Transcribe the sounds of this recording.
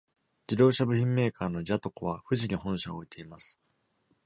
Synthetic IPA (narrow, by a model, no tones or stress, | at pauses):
d͡ʑid̪o̞ːɕabɯ̟çĩmːe̞ːkʰaːno̞d͡ʑat̪o̞koβ̞aɸɯ̟ʑiɲ̟ihõɰ̃ɕaooit̪ʰe̞imasɨ̥